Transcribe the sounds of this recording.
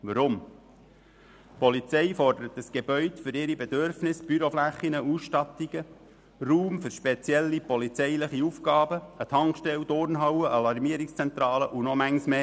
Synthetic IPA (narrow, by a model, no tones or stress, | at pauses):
ʋəɾʊm | pɔlit͡sɛɪfɔrd̥əɾət̪əsɡ̥eb̥œʏt̪fʏɾɪɾibed̪øɾfnɪsb̥yɾoflæχːinəusʃtɑt̪iɡ̥ə | ruːmfʏɾʃpet͡sjɛlːipɔlit͡sɛjləχiufɡ̥ɑːbəət̪ʰɑŋkʃtɛwd̥̪ʊɾnɦɑwəʔɑlɑɾmiəɾikst͡sɛnt̪ɾɑːləʔunɔmæŋsmeː